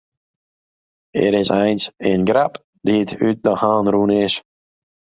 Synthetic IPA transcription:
ɛ̰ɾɪzajnsɪnɡɾap | d̪̥iːd̪ʉd̪̚d̪əhaːnɾuːnɪʃ

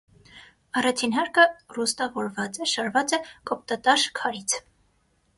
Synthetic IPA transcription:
ɑrɑt͡ʃʰinɦɑɾkərust̪ɑvɔɾvɑt͡sɛʃɑɾvɑt͡sɛkɔp̚t̪ɑt̪ɑʃkʰɑɾit͡sʰ

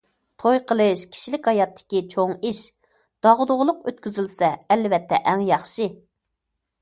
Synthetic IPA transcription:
t̪ʰojqʰəlˠɨʃkʲʰi̥ʃilɪkʲhɑjɑt̪ʰːɪ̥kʲit͡ʃʰoŋiʃ | d̪̥ɑʁd̪ʊʁlˠʊqøt̪kʲyzylsɛːlvɛt̪ʰːɛ̰ʔɛŋjɑχʃɨ

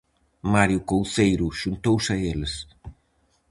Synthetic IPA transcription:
maɾjʊkowθejɾʊʃunt̪owsɐeles

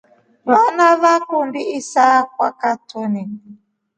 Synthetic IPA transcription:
vanavakundiisak̚wa̰katʰɔni

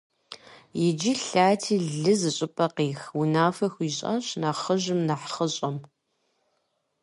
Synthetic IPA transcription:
jɛd͡ʒiɬaːtʰiːɮɨzɨɕʼɪpʼɐqiːxwʊnaːfɐxʷiːɕʼɐ̰ɕnaːχəʒɨmnaħχəɕʼɐm

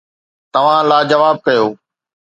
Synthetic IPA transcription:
t̪ɐʋ̤ãlaːd͡ʑɐʋaːb̚kɐjoː

